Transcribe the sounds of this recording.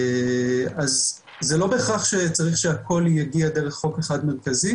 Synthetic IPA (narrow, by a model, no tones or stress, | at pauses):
az | zelo̞beχaχʃet͡saʁiχʃe̞akʰo̞ljaɡiad̪eʁeχːo̞keχad̪meʁkazi